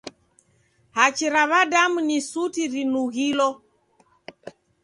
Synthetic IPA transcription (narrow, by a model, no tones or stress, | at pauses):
hat͡ʃiɾaβadamunisutiɾinuɣilɔ